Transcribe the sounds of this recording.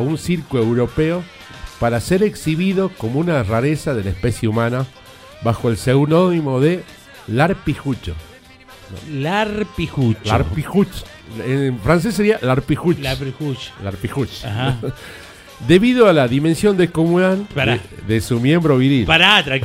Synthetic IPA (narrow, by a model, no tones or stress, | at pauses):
aunsiɾkuewɾo̞peo | paɾaseɾeksiβiðo̞ko̞mounaraɾesaðelaespesjeumãna | βaxoelsewno̞nimo̞ðe | laɾpixut͡ʃo̰ | o̰laɾpixut͡ʃaɾpixut͡ʃ | efɾans̬es̬ːeɾialaɾpixut͡ʃixut͡ʃlaɾpixut͡ʃ | d̪e̞βiðoalaðimẽnsjo̞nd̪ekomunalaɾðesumje̞mbɾoβiɾilpaɾat̪